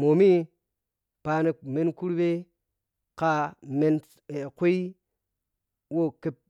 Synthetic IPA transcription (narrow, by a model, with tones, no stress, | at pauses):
mo˨mi˦ | pa˧ne˧me˦nku˦ɾbe˦ | ka˦me˦n | e˨kʷe˦i˦ | wo˦˨ke˦p̚